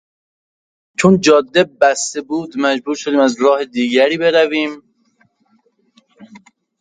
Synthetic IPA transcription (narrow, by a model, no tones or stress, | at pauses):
t͡ʃʰond͡ʒɒːd̪ːebæst̪ebuːd̪mæd͡ʒbuːɾʃod̪iːmæzɾɒːhed̪iːɡæɾiːbe̞ɾæviːm